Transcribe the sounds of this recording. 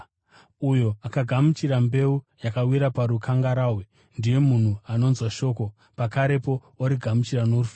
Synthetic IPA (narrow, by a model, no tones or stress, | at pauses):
ujo̞akaɡʱamut͡ʃiɾambe̞u | jakawiɾapaɾukʰaŋɡaɾaːwe | ndije̞mun̤uano̞nzwaʃo̞ːko̞ | pakaɾe̞po̞ | oɾiɡʱamut͡ʃirano̞rufa